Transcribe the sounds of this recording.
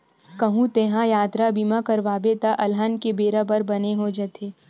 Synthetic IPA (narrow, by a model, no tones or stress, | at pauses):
kɐɦũt̪eːɦãjaːt̪ɾabimakɐɾʋaːbet̪aʔɐlɦənkebeːɾabɐɾbɐneɦod͡ʒɛt̪ʰeː